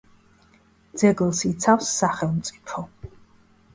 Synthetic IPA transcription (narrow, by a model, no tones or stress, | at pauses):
d̪z̥ɛɡlˠsit̪sʰafsːaχɛlˠmt̪sʼipʰɔ